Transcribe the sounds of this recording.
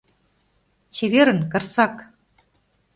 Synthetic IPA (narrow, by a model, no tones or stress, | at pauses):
t͡ɕeβeɾɘ̆nkɤ̆rsɑk